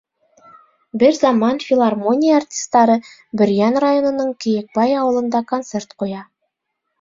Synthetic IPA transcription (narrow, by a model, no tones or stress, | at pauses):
bɘɾzɑmɑnfʲilˠarmo̞nʲijəːrtʲi̥st̪ɑɾɤ | bɵ̆ɾjænrajo̞nŏnɤɴkĭjɘ̆k̚bɑjɑwɤ̆lˠɤ̆nd̪ɑko̞nt̪se̞rt̪qujɑ